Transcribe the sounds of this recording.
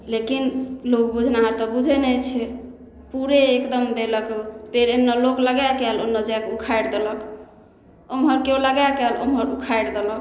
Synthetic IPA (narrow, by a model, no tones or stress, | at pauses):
lekinlok̚bud͡ʒʱnaɦəɾt̪ɔbud͡ʒʱenɛt͡ʃʰɛ | puɾeːkd̪əmd̪eləkpeɾemnːɔlokləɡajkɛlonːɔd͡ʒakukʰajɾd̪elək | omɦəɾkeoləɡakɛlo̰mɦəɾukʰajɽd̪elək